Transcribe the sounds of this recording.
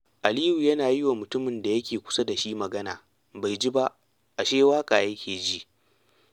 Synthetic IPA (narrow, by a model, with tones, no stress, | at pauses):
ʔa˨liː˦ju˨jɐ˦naː˨ji˦wa˨mʊ˨tʊ˦mɪ˨nda˨jɐ˦kʲeː˨kʷʊ̥˦sa˦da˨ʃi˦mɐ˨ɡɐ˦naː˨ | ba˨jd͡ʒi˦ba˦ | ʔa˨ʃeː˦waː˦kʼaː˨jɐ˦kʲeː˨d͡ʒi˦ʔ